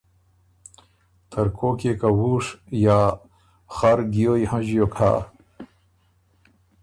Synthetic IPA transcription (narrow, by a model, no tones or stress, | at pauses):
t̪ʰɐɾkʰoːkekawuːʂjaː | xaɾɡijoːjhɐ̃ʑjokʰa̰ː